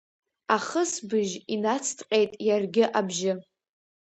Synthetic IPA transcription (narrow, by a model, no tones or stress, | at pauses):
aχəsbɨʒinat͡sʰtʰʼqʲʼejtʼjarɡʲɪʔabʒɪ